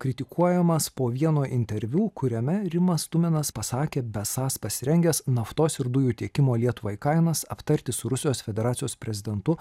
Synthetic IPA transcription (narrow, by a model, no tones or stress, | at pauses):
kɾʲɪt̪ʲɪkʰuɔjɛmɐspoːʋʲiɛnoːʔɪnʲt̪ʲɛɾʲʋʲuːkʰʊɾʲɛmʲɛɾʲɪmɐst̪ʊmʲɛnɐspɐsɑːkʲeːbʲɛsɑːspɐsʲɪɾʲɛŋʲɡʲɛsnɐft̪oːsɪɾd̪ʊjuːt̪ʲiɛkʲɪmoːlʲiɛt̪ʊʋɐɪkɐɪnɐsɐpt̪ɐɾʲt̪ʲɪsʊɾʊsʲɪjoːsfʲɛd̪ʲɛɾɑːt̪ʲɪjoːspʲɾʲɛzʲɪd̪ʲɛnt̪ʊ